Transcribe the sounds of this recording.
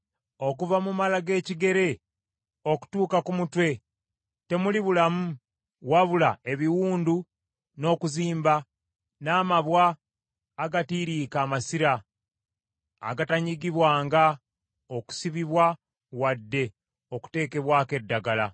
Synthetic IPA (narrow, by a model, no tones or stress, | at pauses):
o̞kuvamumalaɡe̞ːciɡe̞ɾe̞ | o̞ku̥tuːkakumutwe̞ | te̞muliβulamu | waβulae̞βiwuːndu | no̞ːkuziːmba | naːmaβwaː | ɡatiːɾiːkaːmasiɾa | ɡataɲiɡiβwaːŋɡa | o̞ku̥siβiβwa | wadːe̞ | o̞ku̥te̞ːke̞βwaːke̞dːaɡala